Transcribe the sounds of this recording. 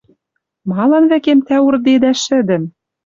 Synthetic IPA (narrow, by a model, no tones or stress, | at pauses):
mɑlˠɤnvækemt̪æurd̪ed̪æʃɘ̆d̪ɘ̆m